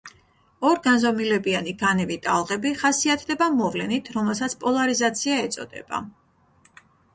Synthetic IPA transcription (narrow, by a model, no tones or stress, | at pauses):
ɔɾɡanzɔmilɛbianiɡanɛvit̪ʼalˠʁɛbiχasiat̪ʰd̪ɛbamɔvlɛnit̪ʰɾɔmɛlˠs̬at̪sʰpʼɔlˠaɾizat̪sʰiaɛt̪sʼɔ̰d̪̥ɛ̰ba̰